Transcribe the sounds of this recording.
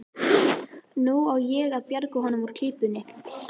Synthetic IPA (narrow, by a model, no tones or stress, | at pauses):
nuɔɣjɛɣaðpjaɾkʏɦɔnːʏmvɔɾ̥k̪ʰiːpʏnːɪ